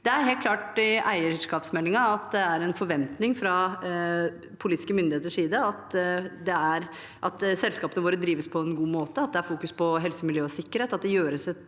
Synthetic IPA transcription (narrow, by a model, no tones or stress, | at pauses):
d̪ɛæɾɦeːlkʰlɑːʈɪʔæɪəʂkɑːpsmɛlːɪŋɑɑt̪d̪ɛæɾɛnfɔɾʋɛnt̪nɪŋfɾɑ | pʰʊliːt̪ɪ̥skəmʏnd̪ɪeːt̪əʂiːd̪əɑt̪d̪ɛæɾ | ʔɑt̪sɛlskɑːpənəʋoːɾəd̪ɾiːʋəspʰɔɛnɡuːmoːt̪əɑt̪̚d̪ɛæɾfuːkʉspʰɔɦɛlsəmɪljøːɔsɪkːəɾheːt̪ɑt̪̚d̪ɛjøːɾəsɛt̪